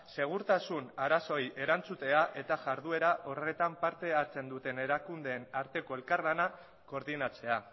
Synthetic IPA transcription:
se̞ɣ̞uɾt̪asunaɾaso̞je̞ɾant͡sut̪e̞aʔe̞t̪aʝaɾðue̞ɾaʔo̞re̞t̪ampaɾt̪e̞aɾt͡se̞nd̪ut̪e̞ne̞ɾakund̪e̞ːnaɾt̪e̞ko̞e̞lkarlana | ko̞ɾðinat͡se̞a

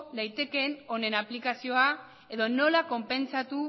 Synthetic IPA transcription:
ðajt̪e̞ke̞no̞ne̞naplikasio̞a | e̞ðo̞no̞lako̞mpe̞nt͡sat̪u

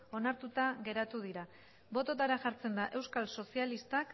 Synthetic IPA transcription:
o̞naɾt̪ut̪aɣe̞ɾat̪uðiɾa | bo̞t̪o̞t̪aɾaʝaɾt͡se̞nd̪aʔe̞wskalso̞sialist̪ak

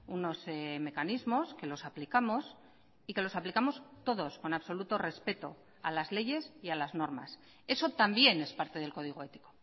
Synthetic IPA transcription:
uno̞seme̞kanizmo̞ske̞lo̞saplikamo̞s | ike̞lo̞saplikamo̞st̪o̞ðo̞sko̞naβso̞lut̪o̞re̞spe̞t̪o̞̰ | alazle̞ʝe̞sialazno̞ɾma̰s | e̞so̞t̪ambje̞ne̞spaɾt̪e̞ð̞e̞lko̞ðiɣ̞oe̞t̪i̥ko̞

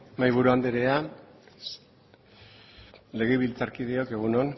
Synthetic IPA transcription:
majβuɾuand̪eɾea | le̞ɣeβilt͡saɾkiðeo̞ke̞ɣ̞unon

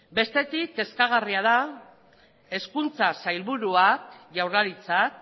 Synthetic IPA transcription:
be̞st̪e̞t̪ik̚t̪e̞skaɣ̞ariað̞a | e̞skunt͡sasajlβuɾuak̚ʝawrlaɾit͡sak̚

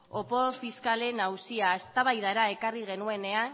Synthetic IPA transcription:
o̞po̞fiskale̞nawsiaest̪aβajðaɾae̞kariɣ̞e̞nue̞ne̞an

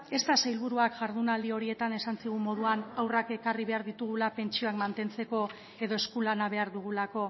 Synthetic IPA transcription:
e̞st̪asajlβ̞uɾuakʝaɾðunald̪io̞ɾie̞t̪ane̞sansiɣ̞umo̞ð̞uanawrake̞kariβe̞aɾðit̪uɣ̞ulape̞nt͡ʃio̞akmant̪e̞nt͡se̞ko̞ | e̞ðo̞e̞skulanaβ̞e̞aɾðuɣ̞ulako̞

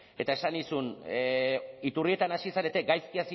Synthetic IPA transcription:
e̞t̪ae̞sanisun | it̪urie̞t̪anasisaɾe̞t̪e̞ɡajskiasi

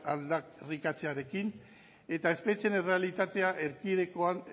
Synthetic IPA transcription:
ald̪arikat͡seaɾe̞kin | e̞t̪ae̞spe̞t͡sie̞ne̞re̞alit̪at̪e̞aʔe̞ɾkiðe̞ko̞an

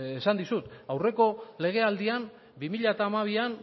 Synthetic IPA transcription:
esand̪isut̪awre̞ko̞le̞ɣ̞e̞ald̪ian | bimiʎat̪aːmaβ̞ian

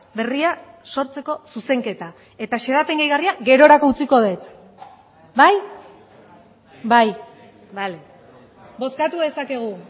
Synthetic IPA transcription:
be̞ria | so̞ɾt͡se̞ko̞suse̞ŋke̞t̪a | e̞t̪aʃeðape̞ŋɡajɣariaɡe̞ɾo̞ɾako̞ut͡siko̞ð̞et̪ | baj | baj | bale | bo̞skat̪uðe̞sake̞ɣ̞u

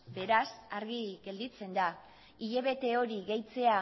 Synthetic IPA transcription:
be̞ɾasaɾɣiɣe̞ld̪it͡se̞nd̪a | iʎe̞βe̞t̪e̞o̞ɾiɣe̞jt͡se̞a

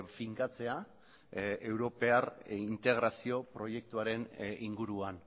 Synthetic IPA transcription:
fiŋkat͡se̞a | ewɾo̞pe̞arint̪e̞ɣ̞ɾasio̞pɾo̞je̞k̚t̪uaɾe̞niŋɡuɾuan

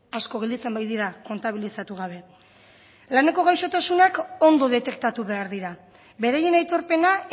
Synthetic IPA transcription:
asko̞ɣ̞eld̪it͡se̞mbajðiɾako̞nt̪aβ̞ilisat̪uɣ̞aβ̞e̞ | lane̞ko̞ɣ̞ajʃo̞t̪asunako̞nd̪o̞ðe̞t̪e̞kt̪at̪uβe̞aɾðiɾa | be̞ɾaje̞najt̪o̞ɾpe̞na

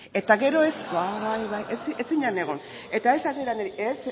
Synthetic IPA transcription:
e̞t̪aɣe̞ɾo̞e̞sβaβajβajʔet͡siet͡siɲane̞ɣ̞o̞n | e̞t̪aesat̪iɾaneɾiʔes

